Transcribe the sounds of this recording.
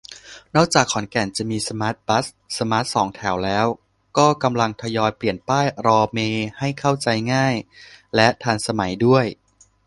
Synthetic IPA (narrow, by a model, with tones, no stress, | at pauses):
nɔː˥˩k̚t͡ɕaː˨˩kʰːɔ˩˦nkɛ˨˩nt͡ɕa˨˩miː˧sa˧maː˦˥t̪̚ba˦˥s | sa˧maː˦˥t̪̚sɔː˩˦ŋt̪ʰɛ˩˦wlɛː˦˥w | kɔː˥˩ka˧mla˧ŋt̪ʰa˧jɔː˧jpli˨˩ənpaː˥˩jɾɔː˧meː˧ha˥˩jkʰa˥˩wt͡ɕa˧jŋaː˥˩jlɛ˦˥t̪ʰaː˧nsa˧ma˩˦jdu˥˩əj